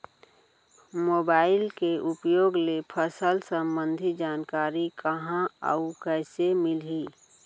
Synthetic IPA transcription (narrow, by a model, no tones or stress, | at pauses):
moːbaːɪlkeʔʊpjoːɡlepʰəsəlsə̃mbə̃nd̪ʱid͡ʒaːnkaːɾikəɦãə̰ukɛːsemɪliː